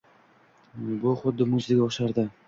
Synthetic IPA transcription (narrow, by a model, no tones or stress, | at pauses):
bʊχʊd̪ːɪmʊzzɪɡʲaʊʃaɾd̪ɪ